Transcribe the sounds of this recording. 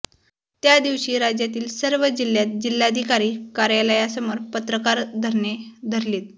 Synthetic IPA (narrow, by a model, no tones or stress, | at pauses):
t̪jad̪iʋɕiːɾad͡ʑjat̪iːlsəɾʋəd͡ʑil̤jat̪̚d͡ʑil̤ːad̪ʱikaɾiːkaɾjaləjasəmoɾpət̪ɾəkaɾd̪ʱəɾɳed̪ʱəɾliːt̪̚